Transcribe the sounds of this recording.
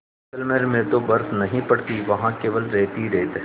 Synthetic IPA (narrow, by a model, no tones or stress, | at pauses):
əlmeɾmẽt̪obɐɾsnɐɦĩpɐɽ̤t̪iʋɐɦãkeːʋəlɾɛːt̪iɾɛɦt̪ː